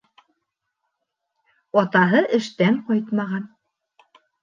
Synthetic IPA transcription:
ɒt̪ɑɦɤʔɘ̆ʃt̪ænqɑjt̪mɑʁɑn

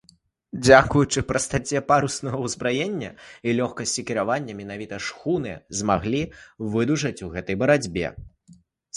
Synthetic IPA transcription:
d͡zʲakujut͡ʂɨpɾɐst̪at͡sʲɛpaɾusnɐɣɐwzbɾajenʲːɐilʲɔxkɐsʲt͡sʲikʲiɾavanʲːɐmʲɛn̪avʲit̪ɐʂxunɨzmaɣlʲivɨd̪uʐɐt͡sʲuɣɛt̪ɐjbɐɾad͡zʲbʲɛ̰

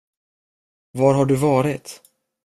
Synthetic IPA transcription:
vaɾɦaɖɵvɑːɾɪt̪

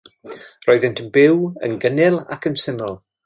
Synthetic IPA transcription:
rɔɨðɛntʰənbɪwə̰nɡənɪlˠa̰kʰənsɪmɪlˠ

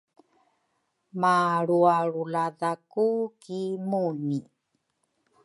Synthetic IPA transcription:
maɾuaɭuladakukimuni

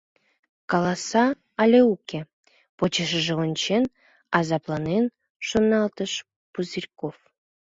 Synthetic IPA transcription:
kɑlˠɑsɑ | ɑlʲeukʲe | pot͡ɕə̆ʃəʒeonʲt͡ɕen | ɑzɑplˠɑnen | ʃonɑlt̪əʃ | puzʲirʲkof

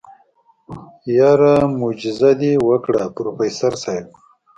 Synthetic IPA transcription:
jaɾamud͡ʒɪzad̪iwəkɽapɾofesaɾsajb̚

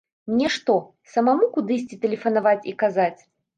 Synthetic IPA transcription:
mnʲɛʂt̪ɔ | sɐmamukud̪ɨsʲt͡sʲit̪ɛlʲɛfɐnavat͡sʲikazat͡sʲ

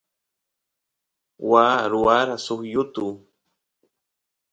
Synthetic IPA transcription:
waːɾuaɾasuhjut̪u

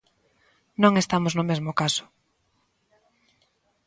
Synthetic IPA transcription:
nõŋest̪amoznʊmezmʊkasʊ̥

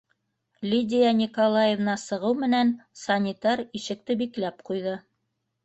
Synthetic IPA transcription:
lʲidʲɪjɑnʲikolˠajevnɑsɤ̆ʁɤwmɘ̆nænsɑnʲit̪ɑɾiʃɘ̆k̚t̪ɘbiklæpqujðɤ

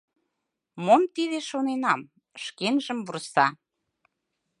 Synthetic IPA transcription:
momt̪iðeʃonenɑm | ʃkenʒə̆mβursɑ

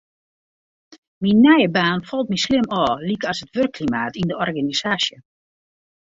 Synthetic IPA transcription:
minːɛjəbaːnfɔlˠt̚mislɪmɔːlikɔsətʋørkʰːlimaːtindəɔrɡanisaːsjə

